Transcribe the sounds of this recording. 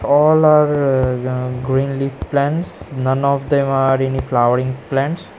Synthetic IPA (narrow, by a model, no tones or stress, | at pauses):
ɔːlaːɾ | ɡɾĩːnliːʋplɛ̃ɳʈsnʌ̃nɔfd̪ẽmaɾeniflaʋəɾĩŋplɛ̃ɳʈs